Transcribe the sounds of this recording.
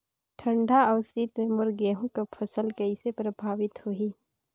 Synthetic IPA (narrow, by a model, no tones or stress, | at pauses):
ʈʰə̃ɳɖʱaɔːɾst̪it̪mẽmʊɾɡɛːɦũkapʰəsəlkɐɪsepɾəbʱaːʋɪt̪hoɦi